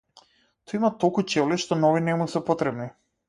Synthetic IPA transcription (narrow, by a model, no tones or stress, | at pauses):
t̪oimat̪olˠkut͡ʃɛvliʃt̪ɔnɔvinɛmusɛpɔt̪ɾɛbni